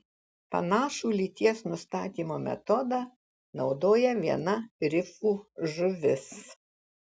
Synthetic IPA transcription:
pɐ̰nɑːʃuːlʲit̪ʲiɛsnʊst̪ɑːt̪ʲiːmoːmʲɛ̰t̪ɔd̪ɑː | nɒʊd̪oːjɛʋʲiɛnɐɾʲɪfuːʒʊʋʲɪs

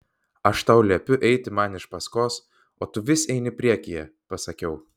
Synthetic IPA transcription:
ɐʃt̪ɐʊlʲɛpʲʊʔɛɪt̪ʲɪmɐnɪʃpɐskoːs | oːt̪ʊʋʲɪsʲɛɪnʲɪpʲɾʲiɛkʲɪjɛpɐsɐkʲɛʊ

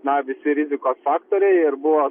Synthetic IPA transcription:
nɐʋʲɪsʲɪɾʲɪzʲɪkoːsfɑːkt̪oːɾʲɛɪɪɾbʊʋoː

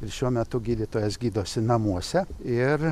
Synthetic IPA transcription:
ɪɾʃʲuɔmʲɛt̪ʊɡʲiːd̪ʲiːt̪oːjɛsɡʲiːd̪oːsʲɪnɐmuɔsʲɛɪr

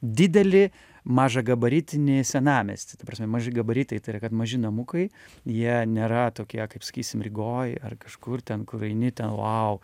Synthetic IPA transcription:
d̪ʲɪd̪ʲɛlʲɪ | mɑːʒɐɡɐbɐɾʲit̪ʲɪnʲɪsʲɛnɑːmʲɛ̰sʲt̪ʲɪ̥t̪ɐpɾɐːsʲmʲɛmɐʒʲɪɡɐbɐɾʲit̪ɐɪt̪ɐɪɾɐkɐt̪mɐʒʲɪnɐmʊkɐɪ | jiɛnʲeːɾɐt̪oːkʲiɛkɐɪpsɐ̥kʲiːsʲɪmrʲɪɡoːjɐ̰rkɐʃkʊrt̪ʲɛnkʊɾɐɪnʲɪt̪ʲɛnlˠɐʊ

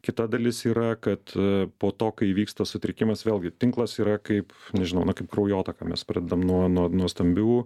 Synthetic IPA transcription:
kʲɪt̪ɐd̪ɐlʲɪsiːɾɐkɐt̪poːt̪oːkɐɪʋʲiːkst̪ɐsʊt̪ʲɾʲɪkʲɪmɐsʋʲeːlʲˠɡʲɪt̪ʲɪŋklˠɐsiːɾɐkɐɪpnʲɛʒʲɪnɐʊnɐkɐɪp̚krɐʊjoːt̪ɐkɐmʲɛ̰spʲɾɑːd̪ʲɛd̪ɐmnuɔnuɔnuɔst̪ɐmʲbʲuː

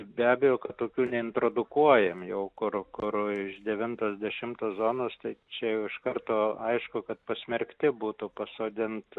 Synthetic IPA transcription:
bʲæːbʲɛjoːkɐt̪t̪oːkʲuːnʲɛɪnt̪ɾoːd̪ʊkuɔjɛmjɛʊkʊrkʊrɪʃd̪ʲɛʋʲɪnt̪oːsd̪ʲɛʃʲɪmt̪oːzoːnoːst̪ɐɪt͡ʃʲɛjɛʊɪʃkɐrt̪oːɐɪʃkʊkɐt̪̚pɐsʲmʲɛɾʲkt̪ʲɪbuːt̪ʊpɐsoːd̪ʲɪnt̪

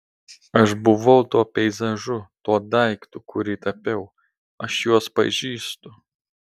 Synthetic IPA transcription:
ɐʃbʊʋɐʊt̪uɔpʲɛɪzɐʒʊt̪uɔd̪ɐɪkt̪ʊkʰʊɾʲit̪ɐpʲɛʊ | ɐʃjuɔspɐ̰ʒʲiːst̪ʊ

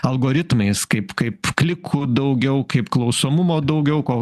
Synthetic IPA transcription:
ɐlˠɡoːɾʲɪt̪mɐɪskɐɪpkɐɪpklʲɪkʰʊd̪ɐʊɡʲɛʊkɐɪpklˠɒʊsoːmʊmoːd̪ɐʊɡʲɛʊkoː

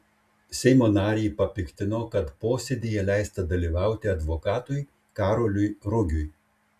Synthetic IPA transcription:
sʲɛɪmoːnɑːɾʲeːpɐpʲɪkʲt̪ʲɪnoːkɐt̪poːsʲed̪ʲijɛlʲæˑɪst̪ɐd̪ɐlʲiːʋɑˑʊt̪ʲɪɐd̪ʋoːkɑːt̪ʊj | kɑːɾolʲʊjɾʊɡʲʊj

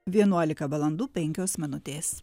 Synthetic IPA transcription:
ʋʲiɛnuɔlʲɪkɐʋɐlˠɐnd̪uːpʲɛŋʲkʲoːsmʲɪnʊt̪ʲeːs

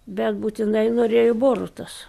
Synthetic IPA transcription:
bʲɛt̪buːt̪ʲɪnɐɪnoːɾʲeːjoboːrʊt̪ɐs

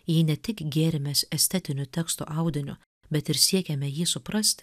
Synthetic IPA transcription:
jiːnʲɛt̪ʲɪkɡʲeːɾʲɪmʲɛsɛsʲt̪ʲɛt̪ʲɪnʲʊt̪ʲɛkst̪o̰ʔɑˑʊd̪ʲɪnʲʊ̰ | bʲɛt̪ɪɾsʲiɛkʲɛmʲɛjiːsʊpɾɐsʲt̪ʲ

